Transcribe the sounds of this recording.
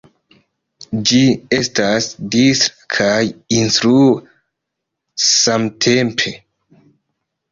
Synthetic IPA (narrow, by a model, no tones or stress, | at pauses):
d͡ʒie̞stasdistɾ | kʰajinstɾue | samtʰempʰe̞